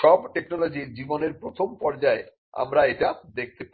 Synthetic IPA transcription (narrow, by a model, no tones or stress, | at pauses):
ʃɔbʈeknɔlod͡ʑiɾd͡ʑiboneɾpɾot̪ʰompɔɾd͡ʑae | a̰mɾaeʈad̪ek̚ʰt̪ep